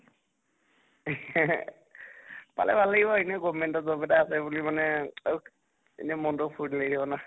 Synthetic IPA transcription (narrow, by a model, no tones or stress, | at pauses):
pa̰lɛ̰bʱalaɡibɔinɛɡɔmɛntɔzɔbɛdaːsɛbulimanɛ | ḛnɛmɔntʊpʰudlejdʰʱibɔna